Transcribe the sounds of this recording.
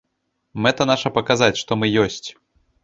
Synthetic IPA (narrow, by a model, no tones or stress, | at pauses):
mɛt̪ɐnaʂɐpɐkazat͡sʲʂt̪ɔmɨjɔsʲt͡sʲ